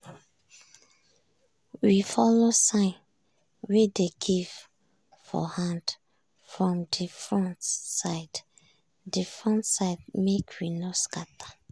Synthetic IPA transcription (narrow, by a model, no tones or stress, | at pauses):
wifɔlosãn | wideɡiv | fɔ̰hãnd | fɹɔ̃mdifɹɔ̃ntsaɪd̥ | difɹɔ̃ntsaɪd̚mekʰwinoskatḁ